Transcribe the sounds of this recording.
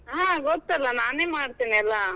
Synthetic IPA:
ɦãːɡɔt̪ːɛlːɐnaːneːmaːɽt̪iːniɐlːa

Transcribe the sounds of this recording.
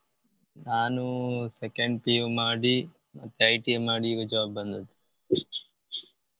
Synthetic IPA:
naːnusekeɳɖ̚piːʋmaːɽi | mɐt̪ːeɐjʈiemaːɽiiʋɐd͡ʒʋaːbːɐnd̪ɐd̪u̥

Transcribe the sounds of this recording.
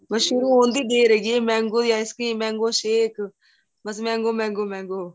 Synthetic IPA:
məʃuɾũːɦoːnd̪iːɖeːɾeɡieːmɛ̃ːŋɡoːjaːɪskĩːmɛ̃ːŋɡoːʃeːk | bəs̬mɛ̃ːŋɡoːmɛ̃ːŋɡoːmɛ̃ːŋɡoː

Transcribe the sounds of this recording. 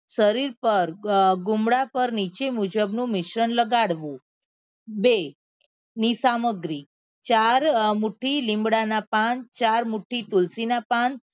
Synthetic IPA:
ʃəɾiɾpəɾɡumɽapəɾnit͡ʃemud͡ʒəbnũmɪʃɾənləɡaɽʋũ | be | nisaməɡɾi | t͡ʃaɾmuʈʰilĩmbɽanapant͡ʃaɾmuʈʰit̪ulsinapan

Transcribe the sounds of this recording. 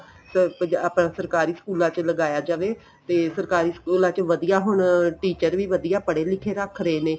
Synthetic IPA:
səpəaːpnãːsəɾkaːɾiːskuːlãːt͡ʃləɡaːjaːd͡ʒaːʋeː | t̪eːsəɾkaːɾiːskuːlãːt͡ʃʋəd̪ijaːɦʊɳʈiːt͡ʃəɾʋiːʋəd̪ijaːpəɽeːlɪkʰeːɾəkʰɾəeːneː

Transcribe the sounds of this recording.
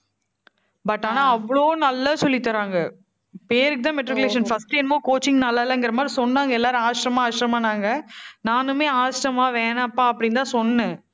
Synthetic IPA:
bɐʈːaːnãːɐʋːɐɭoːnɐlːɐsɔlːɪt̪ːɐɾaːŋɡɐ | peːɾɯkːɯt̪ãːmɛʈɾɪkʊleːʂ̬ɐnfɐsʈɛnmoːkoːt͡ʃɪŋnɐlːaːɪlːɐŋɡɪɾɐmaːd̪ɾisɔnːaːŋɡɐɛlːaːɾɯ̃aːʂɪɾɐmaːaːʂɪɾɐmaːnaːŋɡɐnaːnɯmeːaːsʈɐmaːʋeːnapːaːɐpːɐɽɪnt̪ãːsɔnːnɯ

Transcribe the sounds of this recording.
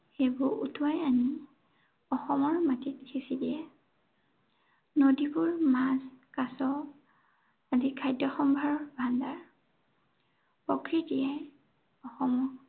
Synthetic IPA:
xebʊɹʔṵtʰuajani | ɔxɔmɔɹmatitkʰisidiɛ | nodibʊɹmaskasɔ | azikʰajdjɔxɔmbʱaɹɔɹbʱandaɹ | pɔkɹitijaj | ɔxɔmɔ

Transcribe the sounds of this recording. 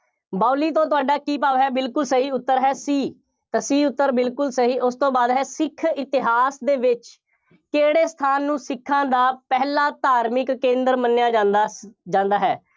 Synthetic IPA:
baːliːt̪õːt̪̬ʊaːɖaːkiːpaːʋɦɛːbɪlkʊlsəɦiːʊt̪ːəɾɦɛːsiː | t̪aːsiːʊt̪ːəɾbɪlkʊlsəɦiːʔʊst̪õːbaːd̪ɦɛːsɪkʰːɪt̪ɪɦaːsd̪eːʋɪt͡ʃ | keːɽeːst̪ʰaːnːũːsɪkʰːãːd̪aːpɛɦlaːt̪aːɾmɪkːẽːnd̪əɾmənːjaːd͡ʒaːd̪d͡ʒãːnd̪aːɦɛː

